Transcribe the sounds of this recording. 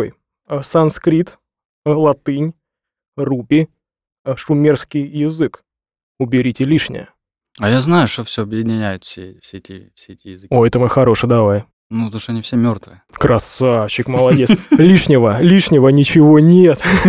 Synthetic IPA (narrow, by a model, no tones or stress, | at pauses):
j | sɐnskɾʲit̪ | lˠɐt̪ɨnʲ | rubʲɪ | ʂʊmʲerskʲɪjjɪzɨk | ʊbʲɪɾʲitʲɪlʲiʂnʲɪ̰jə̰ | ajaznajʊʂt̪ofsʲɵɐbjɪdʲɪnʲɪnʲæjʊt̪fsʲefsʲeɛtʲɪ̰fsʲeetʲɪjɪzɨkʲojɛt̪əmɨxɐɾo̞ʂɨd̪ɐvaj | nut̪oʂt̪oɐnʲifsʲemʲort̪vɨəkɾɐsafɕːɪkməlˠɐdʲe̞slʲiʂnʲɪvəlʲiʂnʲɪvənʲɪt͡ɕɪvonʲet̪